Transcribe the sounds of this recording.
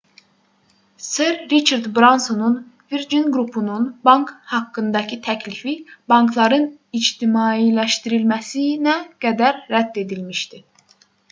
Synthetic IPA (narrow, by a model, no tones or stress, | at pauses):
seɾːit͡ʃʰɑɾd̪bɾansonunviɾd͡ʒinɡɾupʰununbɑŋkhɑkːɯnd̪ɑcʰit̪ʰæcʰlifibɑŋklˠɑɾɯnid͡ʒt̪ʰimɑːilæʃt̪iɾilmæsinæɡ̥æd̪æɾːæd̪ːe̞d̪ilmiʃt̪i